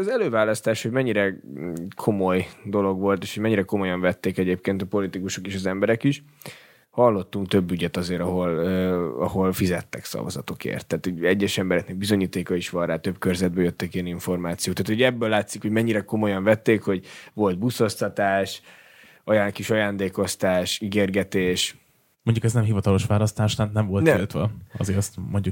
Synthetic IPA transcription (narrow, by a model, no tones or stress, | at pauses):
zɛløːvaːlːɒst̪aːʃhoɟmɛɲːiɾɛkʰo̞mo̞jd̪o̞lo̞ɡʋo̞lt̪eːʃhoɟmɛɲːiɾɛko̞mo̞jɒɱvɛt̪ːeːkɛɟeːp̚keːnt̪ɒpo̞lit̪ikuʃo̞keːʃɒzɛmbɛɾɛkiʃ | hɒlːo̞t̪ːuŋk̚t̪øbːyɟɛt̪ɒzeːɾɒɦo̞løɒ̰ho̞lfizɛt̪ːɛksɒ̰vɒ̰zɒ̰t̪o̞kḛːrt̪ːaːt̪hoɟɛɟːɛʃɛmbɛɾɛknɛɡ̚bizo̞ɲiːt̪eːkɒiʃʋɒnraːt̪ø̞bkørzɛd̪̚bɛjøt̪ːɛkiɛniɱfo̞rmaːt̪sijoːkt̪aːt̪hoɟɛbːøːlːaːt̪sikho̞ɟmɛɲːiɾɛko̞mo̞jɒɱvɛt̪ːeːkho̞ɟʋo̞ld̪̚busost̪ɒt̪aːʃ | ɒjaːkiʃɒjaːnd̪eːko̞st̪aːʃiɡeːrɡɛt̪eːʃ | moɲɟukɛznɛmɦivɒt̪ɒlo̞ʃʋaːlɒst̪aːʃt̪ant̪nɛɱvo̞lnɛlt̪ʋɛɒ̰zeːɾɛst̪moɲɟu